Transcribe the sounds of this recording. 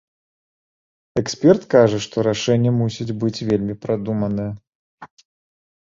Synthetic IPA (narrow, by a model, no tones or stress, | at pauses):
ɛksʲpʲɛrt̪kaʐɐʂt̪ɔɾaʂɛnʲːɐmusʲit͡sʲbɨt͡sʲvʲelʲmʲipɾad̪umɐnɨjɛ